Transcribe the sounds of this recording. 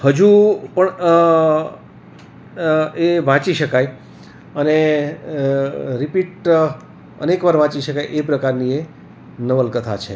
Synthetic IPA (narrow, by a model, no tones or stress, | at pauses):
həd͡ʒupəɳ | eʋãt͡ʃiʃəkaj | əne | ɾipiʈ | ə̰nekʋaɾʋãt͡ʃiʃəkajʔepɾəkaɾnie | nəʋəlkət̪ʰat͡ʃʰe